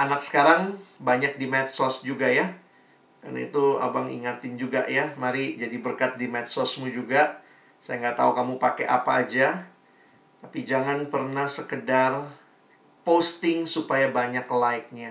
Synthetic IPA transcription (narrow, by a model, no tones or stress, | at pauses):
ʔanak̚sə̥kaɾaŋbaɲak̚dimɛt̪̚sɔsd͡ʒuɡaja | karna̰ḭt̪ua̰baŋḭŋat̪ɪnd͡ʒuɡaʔjamaɾid͡ʒadibərkat̪̚dimɛt̪̚sɔsmud͡ʒuɡa | sajaŋɡaʔt̪aukamupakeʔa̰paːd͡ʒa | t̪apid͡ʒaŋanpərnahsəkədar | post̪ɪŋsupajabaɲaklaik̚ɲa